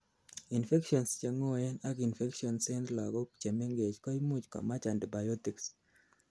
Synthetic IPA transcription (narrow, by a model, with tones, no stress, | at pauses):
i˨nfe˦kʃɔ˨nst͡ʃe˨ŋo˦ɛ˦na˦ki˨nfe˦kʃiɔ˨nsɛ˦nt̪la˨ɡɔ˦t͡ʃe˨me˦ŋɡe˨t͡ʃkɔ˦i˦mu˦t͡ʃkɔ̰˨ma˦t͡ʃa˨ndi˨ba˨jɔ˦ti˨ks